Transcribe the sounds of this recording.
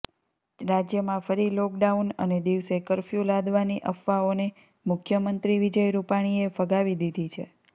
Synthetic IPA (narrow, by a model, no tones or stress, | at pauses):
ɾad͡ʒjəmãfəɾilɔk̚ɖaunə̰ned̪iʋsekəɾfjũlad̪ʋaniʔəfʋaone | mʊkʰjəmənt̪ɾiʋid͡ʒəjɾupaɽ̃iefəɡaʋid̪id̪ʱit͡ʃʰḛ